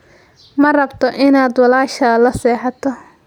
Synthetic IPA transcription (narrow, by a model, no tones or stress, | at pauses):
mɐrɐbt̪ʰɔʔɪnaːd̪wɑlaːʃɐlɐsɛːħɑt̪ʰɔ